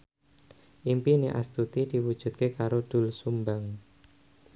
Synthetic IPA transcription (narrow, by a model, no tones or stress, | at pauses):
ʔimpineʔa̰st̪ut̪id̪̥i̤wud̥ʒ̥ṳt̪̚kekaɾod̪̥ṳlsumbaŋ